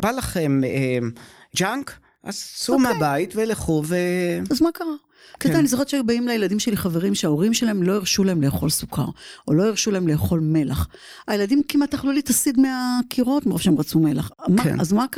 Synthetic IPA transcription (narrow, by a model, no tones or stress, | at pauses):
b̥alaχemed͡ʒaŋk | ʔa̰zsumabaitveleχuveazmakaʁa | keaanizoχett͡ʃebaimlajeladimʃeliχaveʁimʃeaoʁimʃelaemlo̞iʁʃulahemle̞ːχo̞lsuka̰ʁo̞lo̞iʁʃulaemle̞ːχo̞lmelaχ | aje̞ladimkimat̪ːaχlulitasidmeakʰiʁo̞tmeʁofʃeemʁat͡sume̞laχma̰azmak